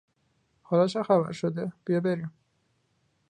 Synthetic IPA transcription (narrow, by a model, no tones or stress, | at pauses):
hɒːlɒːʃɒxæβæ̰ɾʃod̪eb̥ijɒːbeɾim